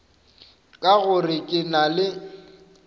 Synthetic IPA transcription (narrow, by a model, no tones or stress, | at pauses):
kʼaɣʊrɪkʼɪnalɪ